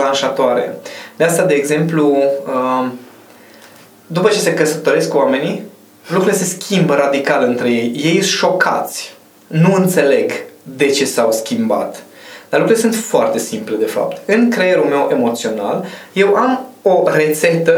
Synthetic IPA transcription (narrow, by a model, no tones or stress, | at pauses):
lanʃat̪oaɾḛd̪east̪ad̪e̞ːɡze̞mpluə | d̪upət͡ʃe̞se̞kəsət̪o̞ɾe̞skwame̞ni | lukɾulese̞skʲʰimbəɾad̪ikalɨnt̪ɾe̞je̞jje̞jʃʃo̞kʰa̰t̪sʲ | nuɨnt̪se̞le̞ɡd̪e̞t͡ʃe̞sawskʲimba̰t̪ | d̪̥arlukɾule̞sunt̪foart̪e̞simple̞d̪e̞fa̰p̚t̪ɨnkɾejeɾume̞wʔe̞mo̞t̪sio̞na̰lje̞wʔamo̞re̞t̪se̞t̪ə